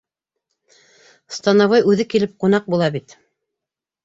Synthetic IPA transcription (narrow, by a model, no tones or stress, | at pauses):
st̪ɑnɑwɑjʉðɘkilɘp̚qunɑq̚bulˠɑbit̪